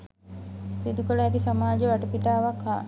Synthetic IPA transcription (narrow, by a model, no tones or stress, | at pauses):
sid̪ukələæt̪isamaːd͡ʒəʋaʈəpiʈaːʋakha̰